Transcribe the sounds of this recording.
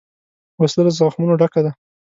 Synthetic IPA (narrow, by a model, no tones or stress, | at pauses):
wasləlazɑxmunoɖakad̪a